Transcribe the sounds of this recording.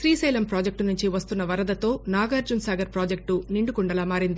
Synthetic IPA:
sɾiːsɐjlɐmpɾaːd͡ʒek̚ʈnuɲt͡ʃiʋɐst̪unːɐʋɐɾɐd̪ɐt̪o̞ːnaːɡɐɾd͡ʒunsaːɡɐɾpɾaːd͡ʒek̚ʈuniɳɖukuɳɖɐlaːmaːɾind̪i

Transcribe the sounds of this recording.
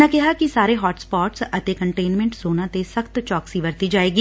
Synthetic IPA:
ãkɛɦakisaːɾeɦɔːʈspɔːʈsɐt̪ekɐ̃ɳʈeːnmɛ̃ɳʈz̥oːnãt̪esɐxt̪t͡ʃɔːksiʋɐɾt̪id͡ʒaːeːɡiː

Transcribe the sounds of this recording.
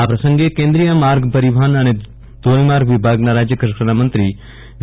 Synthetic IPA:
aːpɾɐsə̃ŋɡekẽːnd̪ɾijãmaːɾɡpɐɾɪbʱaːnɐɽ̃e | t̪oːlimaːɾɡʋɪbʱaːɡnaɾaːd͡ʒjəkɾɪkɾənamə̃nt̪ɾiː | ʋ

